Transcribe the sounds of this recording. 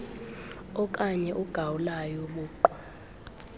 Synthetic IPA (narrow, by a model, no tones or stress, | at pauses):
ɔk̬ʼaɲɛʔuɡ̥ʱawulajɔɓuːǃwa